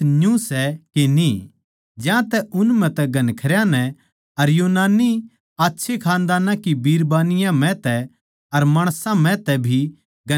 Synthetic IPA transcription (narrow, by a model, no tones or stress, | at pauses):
njũsɛkeni | d͡ʒãt̪ɛʔʊnmɛ̃t̪ɛɡʱɐnkʰɐɾjãnɛ | ɐɾjoːnaːnːi | aːtːʃʰekʰãːnd̪aːnãkibiːɾbaːnɪjãmɛ̃t̪ɛ | ɐɾmaːɽ̃sãmɛ̃t̪ɛbʱi | ɡɐ